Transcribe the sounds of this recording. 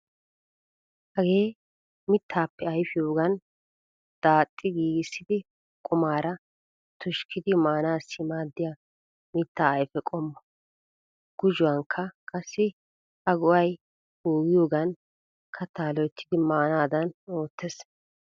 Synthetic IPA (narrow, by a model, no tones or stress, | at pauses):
hɐɡe̞ː | mɪt̪ʰːaːpːɛɐjfɪjo̞ːɡɐn | d̪̥aːt̪ʼːɪɡiːɡɪsːɪd̪ɪ | kʼʊmaːɾɐ | t̪ʊʃkʰɪd̪ɪmaːnaːsːɪmaːd̪ːɪja | mɪt̪ːaːjfɛkʼɔmːɔ | ɡ̥ʊʒʊwɐŋkʰːɐkʼɐsːɪ | hɐɡʊʔɐj | huːɡɪjo̞ːɡɐn | kʰɐt̪aːlɔɛt̪ʰːɪd̪ɪmaːnaːd̪ɐno̞ːt̪ːɛs